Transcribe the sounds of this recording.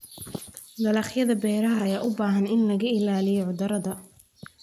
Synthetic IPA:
d̪ɐlɑχjɐðɐbɛːɾɐɦɐːjaːʔʊbaːɦɐnɪnlɐɣɐɪlaːlɪjɔʕʊd̪ɐɾɐðɐ

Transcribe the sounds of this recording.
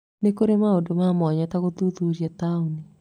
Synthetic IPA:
nekoɾemaodomamɔɲɛtaɣoðuðuɾjatauni

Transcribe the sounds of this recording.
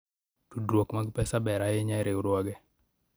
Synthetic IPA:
tudɾwokmaɡpɛsabɛɾajeɲaɾeuɾwaɡɛ

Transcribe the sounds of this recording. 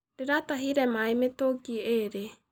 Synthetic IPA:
ɾeɾataɦiɾɛmaemetoɡieɾe

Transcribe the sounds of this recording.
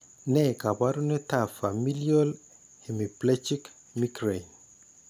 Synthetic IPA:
nɛkabaɾunetafamiljol | emiplet͡ʃik | mikɾejn

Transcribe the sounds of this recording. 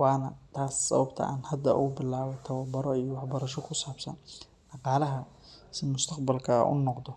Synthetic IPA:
wɑːnɐt̪ʰaːsːɐ̰βɐbt̪ʰɐ̰ʔa̰ːnhɐd̪ɐʊ̰ʊbɪlaːβɔt̪ʰɐwɐbɐɾɔijɔwɑħbɐɾɐʃɔkʰʊsaːbsɐ̰n | ɖɑqɑːlɐɦɐ | sɪmʊst̪ʰɐqbɐlkʰɐ̰ʔʊ̰nɔqd̪ɔ

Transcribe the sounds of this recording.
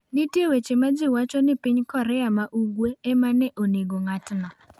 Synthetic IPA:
nɪtewet͡ʃemad͡ʒɪwat͡ʃɔnɪpɪɲkɔɾɛamaʔuɡweemanɛʔoneɡoŋatnɔ

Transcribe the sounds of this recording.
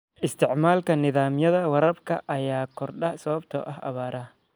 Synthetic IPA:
ʔɪst̪ʰɪʕmaːlkʰɐnɪðaːmjɐðɐwɐɾɐbkʰɐʔɐjaːkʰɔrɖɐsɐβɐbt̪ʰɔ̰ːʔɐɦʔɐ̰βaːɾɐ

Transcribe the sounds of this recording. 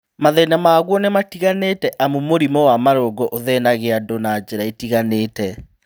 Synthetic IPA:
maðɛnamaɣwɔnɛmatiɣanetɛʔamumoɾimɔwamaɾoːɡɔʔoðɛnaɣeadonad͡ʒeɾaetiɣaneːtɛ

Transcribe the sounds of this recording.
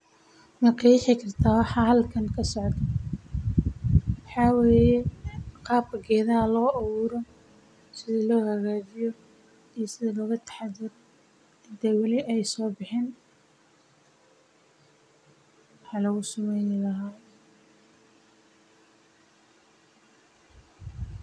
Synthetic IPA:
mɐrkʰɛjɪħɪkʰɐrt̪ʰaːwɑħɑːɦɐlkʰɐŋkʰɐsɔʕd̪ | wɑħɑːweːjɛqɑːb̚kɐɡɛːðɐɐlɔːʔɐwʊːɾɔ | sɪðɐlɔːhɐɣaːt͡ʃɪjɔ | ijsɪðɐlɔːɣɐt̪ʰɐ̥ħɑðɪr | ɪnt̪ʰɛwɑlɪʔɛjsɔːbɪħɪːn | wɑħɑlɐɣʊsʊmɛjnlɐɦaː

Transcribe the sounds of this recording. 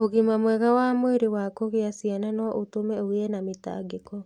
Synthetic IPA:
oɣimamwɛɣawamoeɾewakoɣeasiananwɔʔotomɛoeɛnameta̰ɡekɔ

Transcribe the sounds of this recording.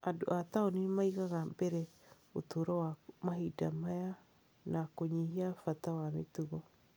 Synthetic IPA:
adoataonimaiɣaɣambɛɾɛ | otoːɾɔwamaɦidamaja | nakoɲihiafatawametuɣɔ

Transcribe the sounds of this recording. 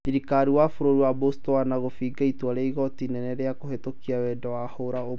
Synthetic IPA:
iɾikaɾiwafoɾoɾiwabostowanaɣofiɡaitwaɾeiɣɔtinɛnɛɾeakohetokiawɛdɔwahoɾao

